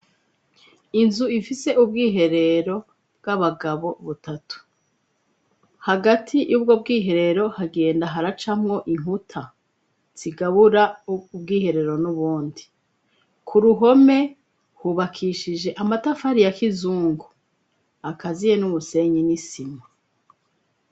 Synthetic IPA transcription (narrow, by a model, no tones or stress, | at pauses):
inzuifise̞ʔub̚ɡiːɦe̞ɾe̞ɾo̞ | bɡaβaɡaβo̞βutatu̥ | haɡatʰijuːbɡo̞bɡiːɦe̞ɾe̞ɾo̞haɡe̞ːndaɦaɾat͡ʃamŋo̞ʔiŋutʰa | z̥iɡaβuɾaub̚ɡiːhe̞ɾe̞ɾo̞nuβuːndi | kʰuɾuɦo̞me̞ | huβakʰiʃid͡ʒe̞ʔamatafaɾijakizuːŋɡu | akazije̞numuse̞ɲinisima